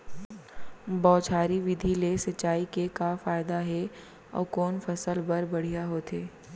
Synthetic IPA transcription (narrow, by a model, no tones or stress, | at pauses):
bɔːt͡ʃʰaːɾiʋɪd̪ʱilesɐtːʃaːikekafaːɪd̪aɦɛ | ɔ̰ːkɔːnfɐsəlbɐɾbɐɽ̤ijaɦoːt̪eː